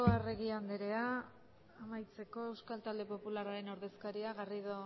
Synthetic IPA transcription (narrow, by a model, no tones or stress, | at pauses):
oare̞ɣiand̪eɾe̞aː | majt͡se̞ko̞e̞wskalt̪ald̪e̞po̞pularaɾe̞noɾðe̞skaɾiaɣariðo